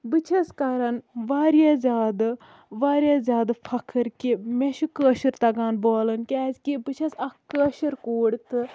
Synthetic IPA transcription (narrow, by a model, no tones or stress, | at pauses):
bɨt͡ʃʰɐskaɾɐnʋaːɾjazʲaːd̪ | ʋaːɾʲjaːzʲjaːd̪fʰɐkʰɨɾkimeʃukəːʃɨɾt̪ɐɡaːnboːlɐnkʲɛːzkibɨt͡ʃʰɐsɐkəːʃɨɾkoːɽt̪ɨ